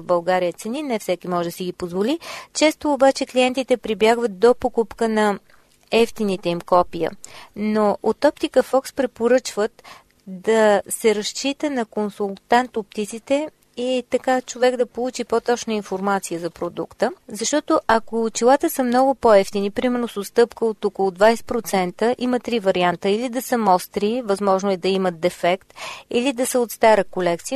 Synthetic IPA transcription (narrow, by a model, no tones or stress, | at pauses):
vbɐlˠɡaɾijət̪sɛninɛfsɛkʲimɔʒd̪əsiɡipozvolit͡ʃɛst̪oːbat͡ʃɛkliɛnt̪it̪ɛpɾibjaɡvət̪̚d̪opokupkənɐ | ɛft̪init̪ɛimkɔpijə̰noʔot̪ɔpt̪ikəfɔkspɾɛpoɾɤt͡ʃvət̪ | d̪ɐsɛɾɐʃt͡ʃit̪ənɐkonsulˠt̪ant̪op̚t̪it̪sit̪ɛ | it̪ɐkat͡ʃovɛɡd̪ɐpolˠut͡ʃipot̪ɔt͡ʃnəinfoɾmat̪sijəzɐpɾod̪ṵkt̪əzɐʃt̪ɔt̪oʔɐkot͡ʃilˠat̪əsəmnɔɡʊpoɛft̪inipɾimɛɾnosost̪ɤpkəot̪okolˠod̪vajsɛ̥tpɾot̪sɛnt̪əʔimət̪ɾivɐɾiant̪əilid̪ɐsəmɔst̪ɾivɐzmɔʒnoʊɛd̪ɐimət̪d̪ɛfɛkt̪ilid̪ɐsəot̪st̪aɾəkolɛk̚t̪sijə